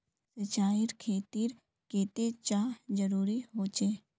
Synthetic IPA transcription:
sɪt͡ʃaːɪɾkʰeːt̪iːɾ | keːt̪et͡ʃaːd͡ʒəɾuːɾiɦoːt͡ʃeː

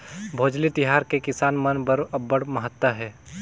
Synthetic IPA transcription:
bʱoːd͡ʒlit̪ɪɦaːɾkekɪsaːnmɐnbəɾɐbːəɽmɐɦət̪ːwəɦɛː

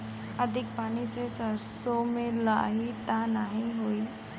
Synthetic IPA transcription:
əd̪ʱɪk̚paːnisesəɾsomẽla̰ːɦit̪anaɦĩɦoːiː

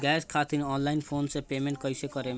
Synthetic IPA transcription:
ɡɛskʰat̪inɔnlajnpʰonsepemeɳʈ̚kʌjsekɔɾe

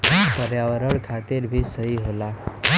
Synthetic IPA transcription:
pəɾjawəɾəɽkʰat̪iɾbʱisəɦiɦola

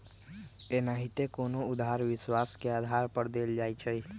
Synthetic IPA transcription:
enaɦit̪ekoːnoʊd̪ʱaːɾʋɪswaːskeaːd̪ʱaːɾpəɾd̪eːld͡ʒaːit͡ʃʰəiː

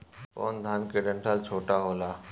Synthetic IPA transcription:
kɔ̰ːnd̪ʱaːnkeɖɛ̃ɳʈəlt͡ʃʰoːʈaɦoːlaː

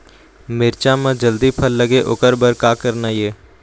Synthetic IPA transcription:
mɪɾt͡ʃaːmãːd͡ʒəld̪iːpʰəlːəɡeːʔʊkəɾbəɾkaːkəɾnaːjeː

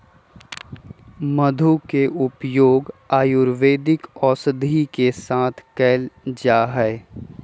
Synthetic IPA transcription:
məd̪ʱukeʔʊpjoːɡaːjʊɾʋeːd̪ɪkɔːsəd̪ʱikesaːt̪ʰkɛːld͡ʒaːɦɛ

